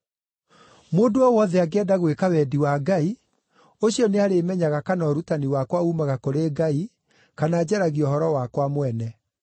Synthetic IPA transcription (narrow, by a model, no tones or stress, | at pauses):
moːdoɔwɔðɛaɡɛdaɣwekawɛdiwaɡai | oɕiɔneaɾemɛɲaɣakanɔːɾutaniwakwaumaɣakoɾeːɡai | kanaːd͡ʑɛɾaɣiɔɦɔɾɔwakwamwɛnɛ